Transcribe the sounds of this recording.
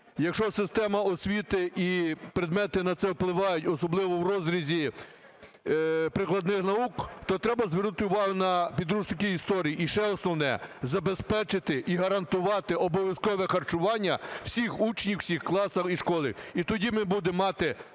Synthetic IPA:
jɐkʃɔsɪst̪ɛmɐɔsʲʋʲit̪ɪʔipɾɪd̪mɛt̪ɪnɐt̪sɛwplˠɪʋɑjʊtʲɔsɔblˠɪʋɔwrɔzɾʲizʲi | pɾɪklˠɐd̪nɪxnɐukt̪ɔt̪ɾɛbɐzʋernʊt̪ɪʊʋɑɦʊnɐpʲid̪ɾuʒnɪkɪist̪ɔɾʲijiːʃɛɔsnɔwnɛ̰zɐbespɛt͡ʃɪt̪ɪʔiɦɐɾɐnt̪ʊʋɑt̪ɪɔbɔʋʲjɐskɔʋɛxɐrt͡ʃʊʋɑnʲːɐw̥sʲixut͡ʃnʲiwsʲixklˠɑsɐxiʃkɔlˠɪ̰it̪ɔdʲimɪbud̪ɪmːɑt̪ɪ

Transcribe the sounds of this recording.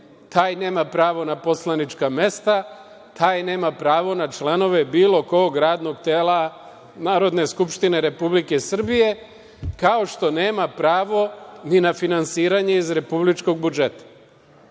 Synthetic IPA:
t̪aːjne̞ːmapɾaːʋo̞napo̞slˠanit͡ʃkame̞st̪a | t̪ʰaːjne̞ːmapɾaːʋo̞nat͡ʃlˠano̞ʋe̞biːlo̞koɡɾaːd̪no̞ɡt̪eːla | naːɾo̞d̪ne̞skupʃt̪ine̞ɾe̞publike̞sr̩bije̞ | kao̞ʃt̪o̞ne̞ːmapɾaːʋo̞ninafinansiːɾaɲe̞izɾe̞publit͡ʃko̞ɡ̚bud͡ʒe̞t̪ḁ

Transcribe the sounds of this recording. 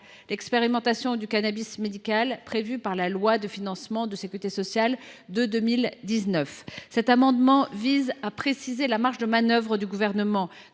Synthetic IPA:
lɛkspeʁimɑ̃t̪asjɔ̃d̪ykanabismed̪ikalpχevypaʁlalwad̪əfinɑ̃smɑ̃d̪əsekʲyʁit̪esɔsjald̪əd̪əmild̪iznœfsɛt̪amɑ̃d̪mɑ̃vizapχesizelamaʁʃd̪əmanœvʁəd̪yɡuvɛʁnəmɑ̃

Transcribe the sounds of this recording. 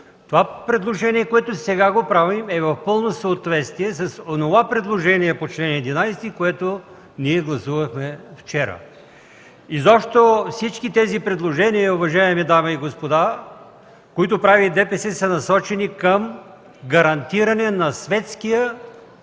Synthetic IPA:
t̪ovapɾɛd̪lˠoʒɛniɛkoɛt̪osɛɡaɡopɾavimɛvɐfpɤlˠnosəot̪vɛt̪st̪viɛsɐsonovapɾɛd̪lˠoʒɛnijɛpot͡ʃlɛnɛd̪inajsɛ̥t̪ikoɛt̪o | niɛɡlˠɐsuvɐxmɛft͡ʃɛɾə̰ | izɔpʃt̪ofsit͡ʃkit̪ɛzipɾɛd̪lˠoʒɛniɐʊvɐʒaɛmɛd̪aməiɡospod̪a | koit̪opɾavid̪ɛpɛsɛsɐnɐsɔt͡ʃɛnikəm | ɡɐɾɐnt̪iɾɐnɛnɐsvɛt̪skijə

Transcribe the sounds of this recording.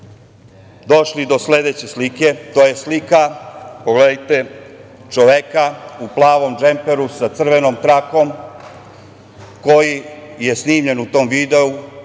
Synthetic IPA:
d̪o̞ʃlid̪o̞sle̞d̪et͡ɕe̞slike̞t̪o̞ːje̞slikapoɡled̪ajt̪e̞ | t͡ʃoʋekauplˠaːʋo̞md͡ʒe̞mpeɾusat̪sr̩ʋe̞no̞mt̪ɾako̞m | ko̞jije̞sniːmʎe̞nut̪o̞ːmʋid̪e̞u

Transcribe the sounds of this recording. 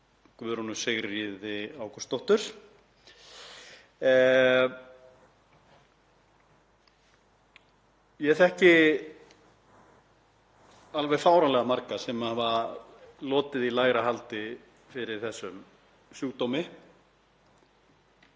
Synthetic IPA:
kvʏɾɔnʏsɪɣɾiðɪaːwkɔst̪owht̪ʏɾ̥ | jɛɛθɛhcɪ | alvɛɣfaːwɾanlɛɣamaɾkasɛmaava | lɔːt̪ɪðilaːjɣɾaɦalt̪ɪ | fɪɾɪɾ̥θɛsːʏm | sjuːkt̪owmɪ

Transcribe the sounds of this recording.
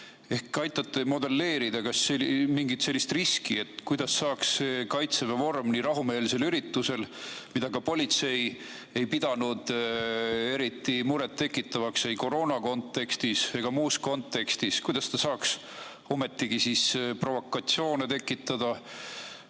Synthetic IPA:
e̞hkɑjt̪ːˑɑt̪ˑːe̞mo̞d̪e̞lːe̞ːɾid̪̥ɑkɑsːemiŋɡ̥it̪se̞lʲːist̪riskie̞t̪ːˑkujd̪̥ɑsːɑːksːekɑjt̪sevɑvo̞rmniɾɑɦume̞ːlse̞lyɾit̪ːuse̞lmid̪̥ɑkɑpo̞lʲit̪se̞j | e̞jpid̪̥ɑnud̪̥ | e̞ɾit̪ːˑimuɾet̪ːe̞kːˑit̪ːˑɑvɑksejko̞ɾo̞ːnɑko̞nt̪ːˑe̞kst̪ise̞ɡ̥ɑmuːsko̞nt̪ːe̞kst̪iskujd̪̥ɑst̪ɑsɑːks | o̞me̞t̪ːiɡ̥isispro̞vo̞kːˑɑt̪sio̞ːnet̪e̞kːˑit̪ːˑɑd̪̥ɑ

